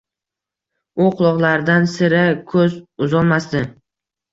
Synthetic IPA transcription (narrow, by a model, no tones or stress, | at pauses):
ʊqʰʊlˠɒʁlˠaɾd̪ansɪɾakʰɵzʊzɒlˠmasd̪ɪ